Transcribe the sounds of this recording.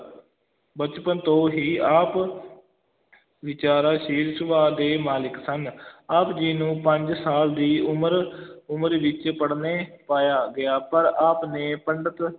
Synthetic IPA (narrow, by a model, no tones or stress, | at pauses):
bət͡ʃpənt̪õːɦiːaːp | ʋɪt͡ʃaːɾaːʃiːɾsəʋaːd̪eːmaːlɪksənaːpd͡ʒiːnũːpəɲd͡ʒsaːld̪iːʊmɾʊmɾʋɪt͡ʃpəɽneːpaːjaːɡɪjaːpəɾaːpneːpəɳɖət̪